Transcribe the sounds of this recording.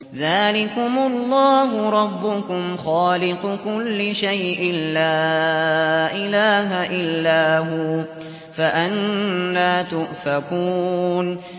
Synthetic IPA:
ðaːlɪkʊmʊlˤːɑːɦʊɾˤɑbːʊkʊmxɑːlɪqʊkʊlːɪʃajʔɪnlaː | ʔɪlaːɦaʔɪlːaːɦu | faʔanːaːt̪ʊʔfakuːn

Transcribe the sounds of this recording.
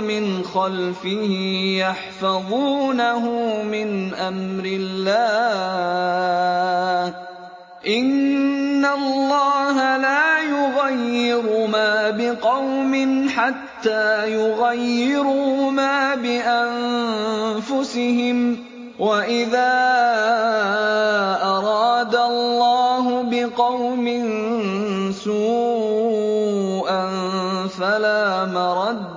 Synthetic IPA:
mɪnxalfɪhɪjaħfɑðˤuːnaɦʊmɪnʔamɾɪlːaː | ʔɪnːallːɑːɦalaːjʊɣajːɪɾʊmaːbɪqɑwmɪnħat̪ːaːjʊɣajːɪɾʊmaːbɪʔan | fʊsɪɦɪm | waʔɪðaː | ʔɑɾˤɑːd̪allːɑːɦʊbɪqɑwmɪn | suː | ʔanfalaːmɑɾˤɑd̪

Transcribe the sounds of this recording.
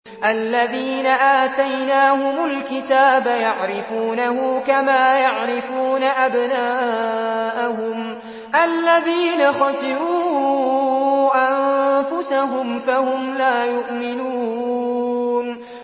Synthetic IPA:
ʔalːaðiːnaʔaːt̪ajnaːhʊmʊlkɪt̪aːbajaʕɾɪfuːnahʊkamaːjaʕɾɪfuːnaʔabnaː | ʔahʊm | ʔalːaðiːnaxɑsɪɾuː | ʔanfʊsaɦʊmfahʊmlaːjʊʔmɪnuː | n

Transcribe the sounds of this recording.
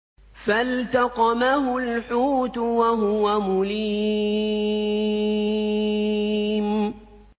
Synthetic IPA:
falt̪ɑqɑmaɦʊlħuːt̪ʊwaɦʊwamʊliː | m

